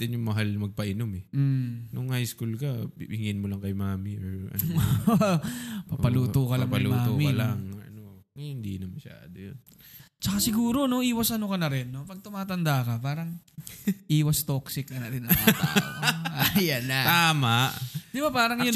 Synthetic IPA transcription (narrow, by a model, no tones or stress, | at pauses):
t̪ɪnjʊŋmɐɦalmɐɡ̚pɐʔɪnomɛnʊŋhajskulkɐhɪŋɪnmolɐŋkɐjmaːmɪoɹʔɐ̰no | pɐpɐluːokɐllaŋpɐlumːaːt̪omɪkɐlaŋɐ̰no | ŋɐjɪnd̪ḭnɐmɐʃa̰ːd̪ojon | t͡ʃɐkasɪɡuːɾo̞no̞ʔiːwɐsʔɐnokɐnɐɾɪnːo̞pɐɡ̚t̪ʊmaːt̪ɐnd̪akɐpaːɾɐŋ | ʔiːwɐst̪oksɪknɐnat̪ɪnɐaa̰ajɐnɐt̪aːmaʔd̪ɪbapaːɾɐŋjʊ